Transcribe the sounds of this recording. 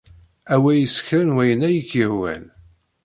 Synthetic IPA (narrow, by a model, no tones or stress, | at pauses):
æwæjəsə̥çɾənwæjənæjəkːiɾwæ̰n